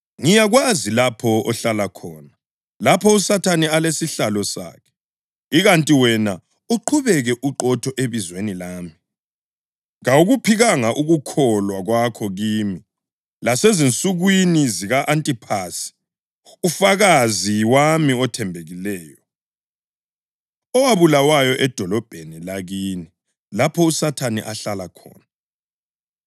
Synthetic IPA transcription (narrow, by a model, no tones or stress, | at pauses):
ŋijaɣwazilapʰɔɔɬalakʰɔːna | lapʰɔusatʰanɛalesiɬalɔsa̰ːkʰɛ̥ | iɣantʼiwɛna | uǃʰuβɛɣɛʔuǃɔtʰɔʔeβizwenilaːmi | ŋauɣupʰiɣaŋaʔuɣukʰɔlwaɣwakʰɔɣiːmi | lasɛzint͡sʼuɣwiniziɣaʔantʼipʰasi̥ | ufaɣaziwamiɔtʰɛmbʱeɣilɛːjɔ | ɔwaβulawajɔʔɛd̥ʱɔlɔb̥ʱenilaɣini | lapʰɔusatʰanḭʔaɬalakʰɔ̰ːna